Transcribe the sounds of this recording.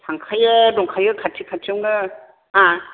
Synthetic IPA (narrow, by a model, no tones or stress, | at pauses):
tʰaŋkʰajɯɾɔŋkʰajɯkʰatʰikʰatʰawnɯ | a